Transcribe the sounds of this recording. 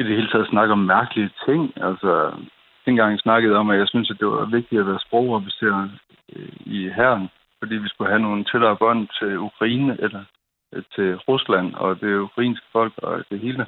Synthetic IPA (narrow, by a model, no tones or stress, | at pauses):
id̥ehe̝ːlət͡sʰɛ̰ð̩̰ˠsnɑ̈ɡ̥ɒ̽mːæɐɡ̥əliət͡sʰe̝ŋ̰ælsɒ | d̥enɡ̥ɑ̈ŋ̰jsnɑ̈ɡ̥əð̞̩ˠɒ̽mæjɑ̈ɪsynsæd̥e̝ʋɑ̈ʋe̝ɡ̥̚d̥iæʋæːɐsb̥ʁɔʊ̰ʁɒʋise̝ɐ̰ | iɦæɐn | fɒ̽d̥ḭːʋisɡ̥uɦæno̝ːn̩t͡sʰelɐːb̥ɒn̰t͡sʰe̝lukʰʁɑ̈iːnəʔelɐ | t͡sʰe̝ʁuslæn̰ɒ̰d̥e̝ukʰʁɑ̈ḭːnsɡ̥ə̥fɒ̽l̰ɡ̥ɒ̽d̥e̝ɦe̝ːlə